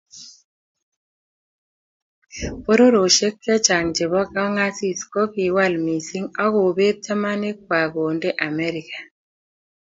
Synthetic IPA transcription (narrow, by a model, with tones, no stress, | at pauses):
po˦ɾo˦ɾo˨ʃe˦kːjɛ˦t͡ʃa˨ŋd͡ʒe˨βɔ˦ka˦ŋa˦si˦sko˦pi˨wa˦lmi˨si˦ŋa˦ɣo˨be˦t̚t͡ʃa˦ma˦ne˦k̚wa˨ɡo˨nde˦ʔa˨mɛ˦ɾi˨kḁ˨